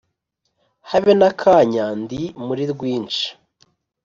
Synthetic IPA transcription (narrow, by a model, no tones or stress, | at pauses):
haβenakʰaːɲaːndimuɾiɾɡwiːnt͡ʃḁ